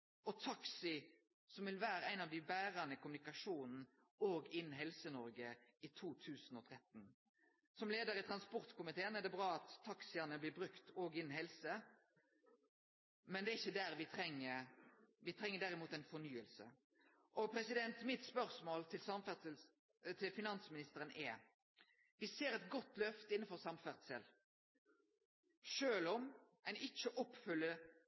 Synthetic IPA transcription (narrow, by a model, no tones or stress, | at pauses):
ɔt̪ʰɑksɪ | sɔmʋɪlʋæːɾəæɪnɑʋd̪ɪbæːʁɑnəkʰʊmʉnɪkɑʂuːnn̩ | oːɡɪnn̩ɦɛlsənɔɾɡəit̪ʰuːt̪ʰʉːsn̩ɔt̪ʰɾɛt̪n̩ | sɔmleːd̪əɾɪt̪ʰʁɑnspɔɾt̪kʰʊmɪt̪ʰeːənɛd̪ɛbʁɑːɑt̪ʰːɑksɪɑnəblɪːbɾʉkt̪oːɡɪnːn̩ɦɛlsə | mɛnd̪ɛːɪçːəd̪æɾʋɪt̪ʰɾɛŋːə | ʋɪt̪ʰɾɛŋːəɖ̪æʁɪmuːt̪ɛɪnfɔnyːəlsə̰ | ʔɔpʰɾɛsɪd̪ɛnt̪mɪt̪spœʁsmoːlt̪ʰɪlsɑmfæ | t̪ʰɪlfɪnɑnsmɪnɪst̪əɾənʔɛ | ʋɪseːɾɛt̪ɡɔt̪ːlœft̪əɪnːəfɔʁsɑmfæʁt̪səl | ʃøːlɔmʔɛɪnɪçːəʔɔpːfʏlːə